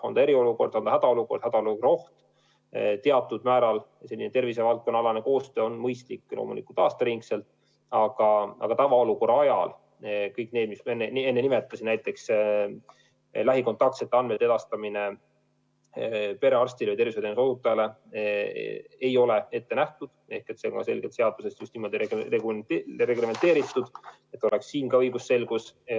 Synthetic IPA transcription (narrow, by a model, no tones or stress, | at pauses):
ond̪̥ɑe̞ɾio̞luko̞rd̪̥ɑnd̪ɑhæd̪̥ɑoluko̞rd̪̥hæd̪ɑolukro̞ht̪ | t̪eɑt̪ːˑud̪̥mæːɾɑl | selːinet̪e̞rvise̞vɑlt̪̚konːɑlɑneko̞ːst̪øːo̞nmɤjst̪likːˑloːmulikult̪ɑːst̪ɑɾiŋkse̞lt̪ˑ | ɑɡ̥ɑɑ̰ɡ̥ɑt̪ɑvɑo̞luko̞rɑɑjɑ̰l | kɤjkneːd̪mismenːee̞nːenimet̪ːˑɑsinnæjt̪ːˑe̞ks | læɦiko̞nt̪ːˑɑk̚t̪se̞t̪ːeɑnmet̪ːe̞d̪̥ɑst̪ɑmine | pe̞ɾe̞ɑrsʲt̪ilvəj̪t̪eviset̪enuso̞ut̪ːˑɑɑle | e̞jo̞le̞e̞t̪ːe̞næht̪ud̪̥e̞hke̞t̪se̞ɡɑ̰se̞̰lʲɡ̥e̞t̪seɑd̪use̞st̪just̪niːmo̞d̪ieeɡɾe̞ɡɾeme̞nt̪e̞ːɾit̪ːˑud̪̥ | e̞t̪ːˑo̞leksːiːnkɑɤjɡ̥usːe̞lɡ̥us